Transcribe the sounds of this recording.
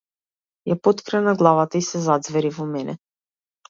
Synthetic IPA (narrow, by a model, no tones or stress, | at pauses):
japɔt̪kɾɛnaɡlˠavat̪aisɛzad̪zvɛɾivɔmɛnɛ̰